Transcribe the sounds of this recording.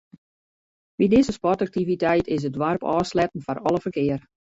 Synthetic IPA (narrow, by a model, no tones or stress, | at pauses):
ʋidɪzəspɔtak̚tivitɛjtʰɪs̬ədʋarpɔːslɛtən̩fɔnɔləfərkɪər